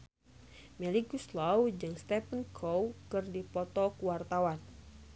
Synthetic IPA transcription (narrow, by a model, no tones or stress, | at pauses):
mɛlikuslawd͡ʒɨŋst̪ɛpənkʰowkɨrdipɔt̪ɔkuwart̪awan